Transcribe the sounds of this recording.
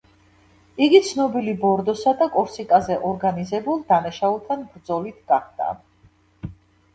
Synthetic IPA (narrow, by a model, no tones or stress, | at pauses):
iɡit̪sʰnɔbilibɔɾd̪ɔsad̪akʼɔɾsikʼazɛʔɔɾɡanizɛbulˠd̪anaʃaulˠt̪ʰanbɾd̪zɔlit̪ʰɡ̥aχd̪̥a̰